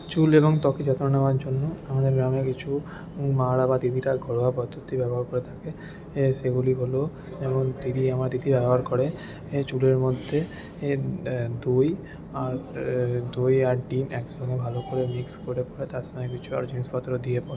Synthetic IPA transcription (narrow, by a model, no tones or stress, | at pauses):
t͡ʃuleβɔŋt̪ɔkid͡ʑɔt̪onanamaɾd͡ʑonːoamad̪eɾɡɾamekit͡ʃʰu | maɽabad̪id̪ʱiɾaɡʱɔɽoapɔt̪ːot̪ʰːibɛbɔɦaɾkoɾet̪ʰake | seɡuliɦolo | d͡ʒɛmont̪id̪ʱiamaɾt̪id̪ʱibɛboɦaɾkɔɽe | et͡ʃuleɾmod̪ʱːe | d̪uj | aɾd̪ujaɾɖinɛkʃɔŋɡebʱalokoɾemikskoɾepɔɾet̪aɾsɔmek̬it͡ʃʰua̰ɾd͡ʑinispat̪ɾod̪iepɔɾe